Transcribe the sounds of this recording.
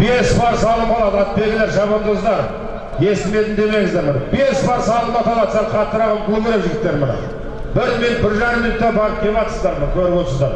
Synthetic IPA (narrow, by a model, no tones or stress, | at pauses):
b̥e̞sbɑɾsɑlˠəpɑlˠɑd̪əɑt̪̚pe̞ɡʲɪleɾʒɑβəmd̪əəzd̪ɑɾ | je̞st̪ɪme̞d̪ɪnd̪e̞me̞ŋɪzd̪eɾmɪnbe̞sbɑɾsɑlˠəp̪ɑt̪ɑlˠɑt̪sɑɾqʰɑt̪ːəɾɑʁɑnkʲʰɵɡʲeɾeʒɪɡʲɪp̚t̪ːe̞ɾmənɑ̰ | bɪɾmenbɪɾʒɑɾəmːinʊt̪ːebɑɾəp̚k̪ʲʰelɑt̪əsəzd̪ɑɾmənkʲʰɵɾɪpwot̪səzd̪ɑɾ